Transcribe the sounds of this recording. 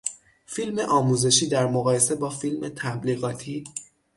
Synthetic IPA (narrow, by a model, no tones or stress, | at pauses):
filme̞ʔɒːmuːze̞ʃiːd̪æɾmoɣɒːje̞se̞bɒːfilmet̪ʰæbliːɣɒːt̪ʰiː